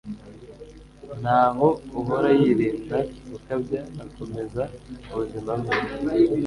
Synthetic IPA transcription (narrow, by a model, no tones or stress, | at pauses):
n̤̥haːɦouɦoɾajiɾiːndaukabɟaːko̞me̞zauβuzimamɡei